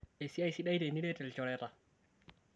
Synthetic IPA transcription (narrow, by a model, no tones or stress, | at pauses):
ʔɛsiajsiɗajdɛniɗɛtɛlt͡ʃɔɾɛta